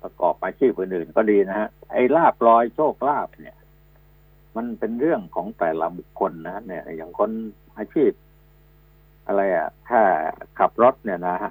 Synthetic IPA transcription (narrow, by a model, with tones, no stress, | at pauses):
pɾa˧kɔ̰ː˨˩p̚ʔaː˧t͡ɕʰiː˥˩p̚ʔɯː˨˩nʔɯː˨˩nkɔː˥˩diː˧na˦˥ha˦˥ʔʔa˧˩jlaː˥˩p̚lɔː˧˥jt͡ɕʰoː˥˩k̚laː˥˩p̚ni˥˩ə | ma˧npe˧nɾɯ˥˩əŋkʰɔː˩˦ŋt̪ɛː˨˩la˧˦bu˨˩kʰːo˧nːa˦˥ni˥˩ja˨˩ŋkʰo˧n | ʔaː˧t͡ɕʰiː˥˩p̚ | ʔa˧ɾa˧jʔa̰˨˩t̪ʰaː˥˩kʰa˨˩p̚ɾo˦˥t̪̚ni˥˩na˦˥ha˦˥ʔ